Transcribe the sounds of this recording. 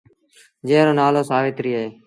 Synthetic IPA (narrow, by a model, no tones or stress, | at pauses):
d͡ʒẽːɾõːnaːloːsaːʋeːt̪ɾiːɦeː